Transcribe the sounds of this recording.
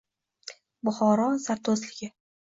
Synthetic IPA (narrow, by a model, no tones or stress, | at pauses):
bʊχɒɾɒzaɾt̪ʰozlɪɡʲɪ